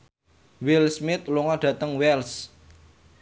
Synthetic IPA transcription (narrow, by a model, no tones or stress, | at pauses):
wilsmɪt̪̚luŋɔɖ̥ä̤t̪əŋwɛls